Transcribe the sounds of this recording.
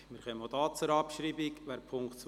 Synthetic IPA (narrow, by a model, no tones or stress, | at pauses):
mɪɾχœməod̪ɑːt͡sʊɾɑpʃɾiːbikʋæːɾpʰʊŋktt͡s